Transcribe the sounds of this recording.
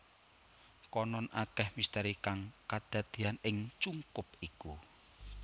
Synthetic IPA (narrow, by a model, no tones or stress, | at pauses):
kɔnɔnʔakɛhmist̪aɾikaŋkad̪̥ä̤d̪̥i̤anɪŋt͡ʃuŋkʊpiku